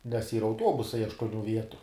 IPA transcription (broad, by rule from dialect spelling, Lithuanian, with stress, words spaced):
nʲɛs ˈiːrɐ ɐʊˈtuɔbʊsɐɪ ɐʃtuɔˈnʲuː ˈʋʲiɛtʊ